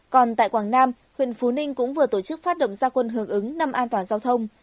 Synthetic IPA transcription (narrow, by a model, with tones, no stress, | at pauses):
kɔ˨˩nt̪a̰ː˧˨jkwaː˧˩ŋnaː˧m | hwḭ˧˨ənfu˨˦nï˧ŋ̟kʊ̰˧˥ŋ͡mvɨ˨˩ət̪o˧˩t͡ɕɨ˦˥k̚faː˦˥t̚ɗə̰˧˨wŋ͡mzaː˧kwə˧nɦɨ˨˩əŋʔɨ˨˦ŋna˧mʔaː˧nt̪waː˨˩nzaː˧wt̪ʰə˧wŋ͡m